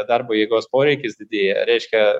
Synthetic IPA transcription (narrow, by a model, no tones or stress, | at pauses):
d̪ɐɾboːjeːɡoːspoːɾʲɛɪkʲɪsd̪ʲɪd̪ʲeːjɛɾʲɛɪʃʲkʲɛ